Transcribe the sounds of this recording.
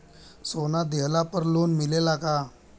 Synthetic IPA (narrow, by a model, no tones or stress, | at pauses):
sonad̪elapəɾlonmilelaka